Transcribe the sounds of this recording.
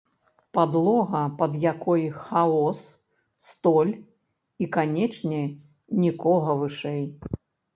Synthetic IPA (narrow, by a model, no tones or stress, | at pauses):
pad̪lˠɔɣɐpɐd̪jakɔjxaɔsː | t̪ɔlʲ | ikanʲɛt͡ʂnʲɛ | nʲikɔɣɐvɨʂɛj